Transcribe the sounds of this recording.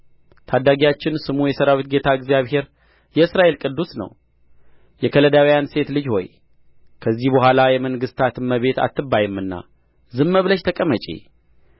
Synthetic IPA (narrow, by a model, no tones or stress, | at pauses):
t̪ʰad̪ːaɡijat͡ʃːɪnsɨmujɛsəɾawit̪ɡe̞t̪ʰaɨɡzjaβhe̞ɾ | jɛɨsɾaʔe̞lkʼɨd̪ːusnə̰w | jɛkʰələd̪awijanse̞t̪lɨd͡ʒho̞̰j | kʰəzːihbəhʷalajɛməŋɡɨst̪ʰat̪ɨmːəβe̞t̪a̰t̪ːɨbːajɨmːɨnːa̰ | zɨmːəβləʃt̪ʰəkʼəmət͡ʃʼḭ